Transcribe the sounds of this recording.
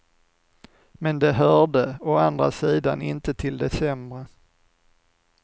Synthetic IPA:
mɛnd̪ɛɦœɖəɔand̪ɾa̰siːd̪a̰nɪ̰nt̪ət̪ʰɪld̪ɛsɛmɾə

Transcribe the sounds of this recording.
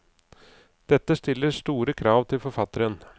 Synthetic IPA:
d̪̥ɛt̪ːəst̪ɪlːəʂt̪uːɾəkʰɾɑːʋt̪ʰɪlfɔɾfɑt̪ːəɾən

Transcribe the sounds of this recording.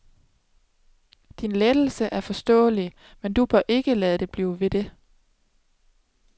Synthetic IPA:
d̥inled̥l̩səʔæɐfɒ̽sd̥ɔ̰ːli | mend̥ub̥ɶɐʔe̝ɡ̥əlɛːð̩ˠd̥e̝b̥lḭːʊʋe̝d̥e̝

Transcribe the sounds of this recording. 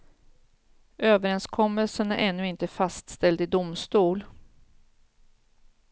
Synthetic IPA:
øːvəɾɛnskʰɔmːəlsənæɾʔɛnːɵɪnt̪əfast̪st̪ɛld̪ɪd̪ʊmst̪uːl

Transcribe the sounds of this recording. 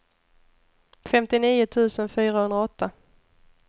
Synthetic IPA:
fɛmt̪ɪniːʊt̪ʰʉ̟ːsənfyːɾahɵnɾaɔt̪ːa

